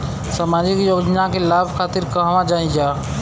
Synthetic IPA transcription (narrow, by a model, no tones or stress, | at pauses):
samad͡ʒikjoɡd͡ʒnakelabʱkʰat̪iɾkəɦʋãd͡ʒaĩd͡ʒa